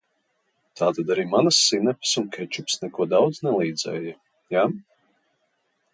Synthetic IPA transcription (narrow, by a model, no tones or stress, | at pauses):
t̪aːt̪ad̪aɾiːmanasːinɛpsunkʲɛt͡ʃupsnɛkuɔd̪awd̪znɛlˠiːd̪zɛ̰ːja | jaː